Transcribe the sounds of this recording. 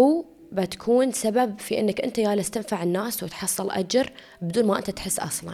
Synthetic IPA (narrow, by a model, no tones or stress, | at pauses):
w | bat̪ḁkʰuːnsababfiʔɪnːɪkʔɪnt̪ajaːlast̪ɪnfaʕɪnːaːswɪt̪ħɑsˤːɨlʔa̰d͡ʒɾˤ | bɪd̪uːnmaʔɪnt̪at̪ħɪsːʔɑ̰sˤlɑ̰n